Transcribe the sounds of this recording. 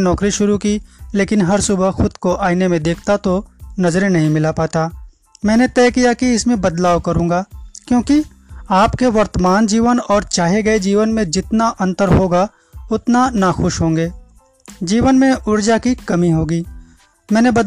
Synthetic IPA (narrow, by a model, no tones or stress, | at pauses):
nɔːkɾiʃʊɾukileːkɪnɦɐɾsʊbəɦxʊd̪koʔaːinemẽd̪eːk̚ʰt̪at̪onɐzɾẽnɐɦĩmɪlapaːt̪aː | mɛ̃ːnet̪ɛːkijakiɪsmẽbɐd̪laːʋkɐɾũːŋɡaːkjõːki | aːpkeʋɐɾt̪əmaːnd͡ʒiːʋənɔːɾt͡ʃaːɦeɡɐed͡ʒiːʋənmẽd͡ʒɪt̪naʔɐ̃nt̪əɾɦoːɡa | ʊt̪nanaxʊʃɦõːŋɡeː | d͡ʒiːʋənmẽʔʊɾd͡ʒakikɐmiɦoːɡiː | mɛ̃ːnebɐd̪